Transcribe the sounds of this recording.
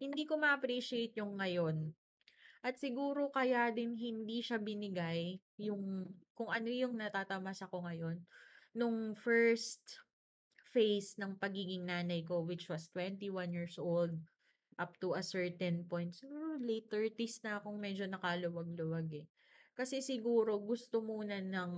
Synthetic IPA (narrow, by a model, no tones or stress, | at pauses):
hɪnd̪iːko̞mɐʔɐpɾiʃɪejt̪̚jʊŋːɐjo̞n | ʔɐt̪sɪɡuːɾo̞kɐjad̪ɪnɦɪnd̪iʃabɪnɪɡajː | ʊŋkʊŋʔɐno̞jʊŋnɐt̪at̪ɐmasɐko̞ŋɐjo̞nːʊŋfɛɹst̪ | fejsnɐŋpɐɡiːɡɪŋnaːnɐjko̞wɪt͡ʃwɐst̪wɛnt̪iwanjiɹsʔold̪̚ | ʔap̚t̪uɐsɛɹt̪ɛnpojnt̪̚sɪɡuːɾolet̪ɛɹt̪isnɐkʊŋmɛd͡ʒo̞nɐkɐlʊwɐɡ̚lʊwaɡɛ | kɐsɛsɪɡuːɾo̞ɡʊst̪o̞muːnɐnɐŋ